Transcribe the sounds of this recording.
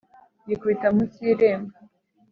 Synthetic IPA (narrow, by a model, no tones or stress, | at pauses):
jikwitamuciɾeːmɡa